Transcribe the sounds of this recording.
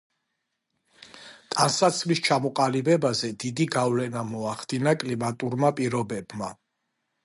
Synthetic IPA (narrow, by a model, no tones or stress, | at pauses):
t̪ʼansat̪sʰvlist͡ʃʰamɔqʼalibɛbazɛd̪id̪iɡavlɛnamɔaχd̪inakʼlimat̪ʼuɾmapʼiɾɔbɛbma